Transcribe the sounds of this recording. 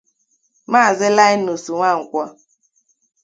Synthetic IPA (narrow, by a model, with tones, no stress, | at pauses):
maː˦˨zɪ˦la˦jnu˨su˨ŋʷa˦˨ŋ̩˨kʷɔ˦